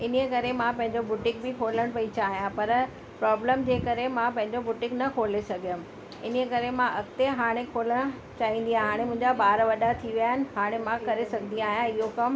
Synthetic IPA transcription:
ɪnekɐɾemãpɐ̃ɦɪ̃ɲd͡ʑobʊʈɪ̃ŋk̚bɪkʰoːləɽ̃pɐit͡ɕaːɦijãpɐɾ | pɾɔːbləmd͡ʑeːkɐɾemãpɐ̃ɦɪ̃ɲd͡ʑobʊʈɪ̃ŋknɐkʰoːlesɐɡʱijə̃m | ɪnəekɐɾemãʔɐkt̪eɦaːɽ̃ekʰoːləɽ̃ | t͡ɕaːɦĩːn̆d̪ijãɦaːɽ̃emʊ̃ɦɪ̃ɲd͡ʑabaːɾʋɐɗat̪ʰiʋijaːɦɪnɪ̆ɦaːɽ̃emãkɐɾesɐɡʱniaːɦijãɪɦokɐm

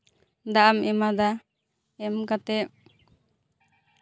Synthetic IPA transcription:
d̪aʔamɛmad̪a | ɛmkat̪ɛp̚

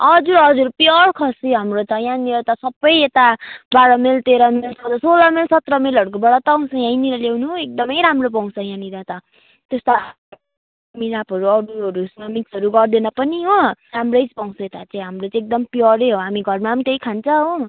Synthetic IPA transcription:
ʌd͡zuɾʌd͡zuɾpjʌɽkʰʌsiɦamrot̪ʌjãniɾʌt̪ʌsʌbʌjet̪abaɽʌmelt̪eɾʌmelt͡sʰʌt̪ʌsolʌmelsʌt̪rʌmelʌɽk̬obʌɽʌt̪ʌːw̃sʰʌ̃jãjniɾʌlewnuɦek̚d̪ʌmʌjɾamrop̬aw̃sʰʌ̃jãniɾat̪ʌ | t̪est̪a | milapʌɾuʌɽuɦʌɾusnʌmiksʌɾuɡʌrd̪enʌpʌniɦoramrʌjt͡spaw̃sʌet̪at͡saj̃ɦamrot͡sãek̚d̪ʌmpjʌɾeɦoɦamiɡʱʌrmamt̪eikʰant͡sʰʌɦo

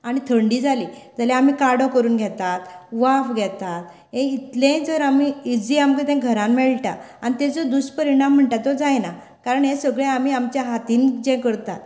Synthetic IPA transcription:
aɽ̃it̪ʰəɳɖiːd͡zʱalid͡zalɛam̤iːkaɽɔkəɾuːnɡʱɛt̪at̪ʋafɡʱɛt̪at̪̚ | ɦẽit̪lẽd͡zəɾamiid͡ziamkẽt̪ɛ̃ɡʱəɾãnmɛɭʈa̰añit̪ɛ̃d͡zɔd̪uspəɾiɽãm̤ːəɳʈat̪ːod͡zajna | kaɾəɳjẽsəɡɭeamiːamt͡ɕjaɦat̪iːnd͡ʑɛ̃kəɾt̪at̪

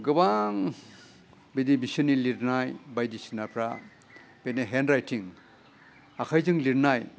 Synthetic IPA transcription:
ɡɯbaŋ | bidibisɔniliɾnajbajdisinapʰɾa | b̥eneɦendɾajtʰiŋ | akʰajzɯŋliɾnaj

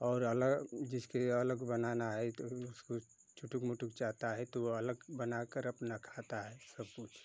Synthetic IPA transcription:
ɔːɾələɡd͡ʒɪskeələɡbənanaɦɛt̪ousko | t͡ʃʰuʈukmuʈukt͡ʃat̪aɦɛt̪oələɡbənakəɾəpnakʰat̪aɦɛsəb̚kut͡ʃʰ

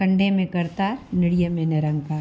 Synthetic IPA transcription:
kɐ̃ɳɖemẽkɐɾt̪aːɾnɪɽijəmẽnɛɾə̃ŋɡkaː

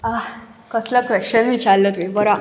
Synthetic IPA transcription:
akəslakʋeɕt͡ɕənmiːt͡salːət̪mibəɾã

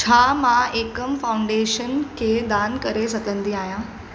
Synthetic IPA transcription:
t͡ɕʰaːmãeːkəmfaːʊ̃ɳɖeːʃənkʰeːd̪aːnkɐɾesɐɡʱə̃nd̪iaːɦijãː

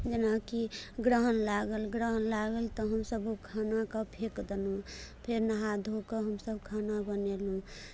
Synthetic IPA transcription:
d͡ʒənakiɡɾəɦənlaɡəlɡɾəɦənlaɡəlt̪ɔɦəmsəbukʰanakəpʰekd̪elɦũpʰeɾnəɦad̪ʱokəɦəmsəbkʰanabənelɦũ

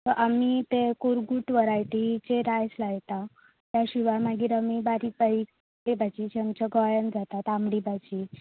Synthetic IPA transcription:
t̪əʔamit̪ekuɾɡuʈʋəɾajʈit͡ɕeɾajslajt̪a | t̪jaɕiʋamaɡiːɾamiːbaɾiːkbai | ʈebat͡ɕiːt͡ɕamt͡ɕəɡɔjənd͡zat̪at̪amɽibat͡ɕiː

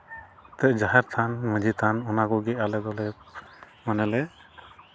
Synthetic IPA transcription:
t̪ɛʔd͡ʒaɦaɾt̪ʰanmə̃d͡ʒit̪ʰanɔnakɔɡɛʔalɛd̪ɔlɛ | manɛlɛ

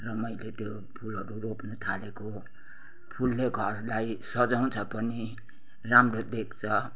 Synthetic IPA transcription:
rʌmʌjlet̪jo | pʰulɦʌɾuropnut̪ʰaleko | pʰulːeɡʱʌrlajsʌd͡zaw̃t͡sʰʌpʌni | ramrod̪ek̚ʰt͡sʰʌ

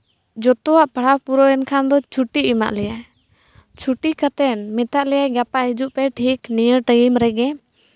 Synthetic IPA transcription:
d͡ʒɔt̪ɔwaʔpaɽapuɾɔɛnkʰand̪ɔt͡ʃʰuʈiima̰ʔlɛja | t͡ʃʰuʈikat̪ɛnmɛt̪aʔlɛjajɡapaʔɦid͡ʒuʔpɛʈʰiknijəʈəjimɾɛɡɛ

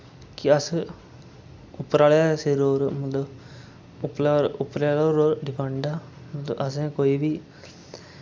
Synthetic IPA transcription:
kɪəs | ʊpːəɾaːlaːseːɾoːɾmət̪ləb | ʊpːlaɾʊpːəɾaːloɾoːɾɖɪpʰə̃ɳɖaː | mət̪ləəsẽːkoːiːbiː

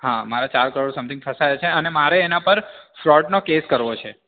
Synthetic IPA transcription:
ɦãmaɾat͡ʃaɾkəɾoɽsəmt̪ʰɪ̃ŋɡfʰəsajat͡ʃʰeənemaɾeːnapəɾfɾɔʈnokeskəɾʋot͡ʃʰe

